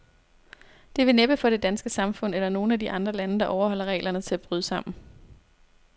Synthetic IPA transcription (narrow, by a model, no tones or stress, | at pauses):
d̥e̝ʋe̝neb̥əfɒ̽ɾ̥e̝d̥ænsɡ̥əsɑ̈mfɔ̽n̰elɐno̝ːn̩ædiʔɑ̈nd̥ʁɐlænəd̥ɑ̈ʔɒʊɐhɒ̽l̰ɐʁɛ̰ːlʔɐnət͡sʰe̝æb̥ʁyð̞ˠəsɑ̈m̰n̩